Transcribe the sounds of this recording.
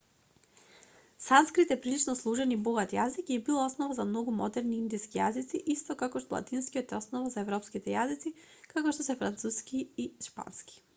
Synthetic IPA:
sanskɾit̪ɛpɾilit͡ʃnɔslˠuʒɛnibɔɡat̪jazikibilˠaɔsnɔvazamnɔɡumɔd̪ɛɾniind̪iskijazit̪siʔist̪ɔkakɔʃt̪ɔlˠa̰t̪inskijɔt̪ɛɔsnɔvazaɛvɾɔpskit̪ɛjazit̪si | kakɔʃt̪ɔsɛfɾant̪suskiiʃpa̰nski̥

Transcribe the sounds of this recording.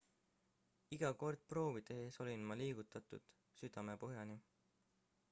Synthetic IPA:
iɡ̥ɑko̞rd̪̥̚pro̞ːvid̪̥e̞eːso̞lʲinmɑliːɡut̪ːˑɑt̪ˑṵd̪̥ | syd̪̥ɑme̞poɦjɑni

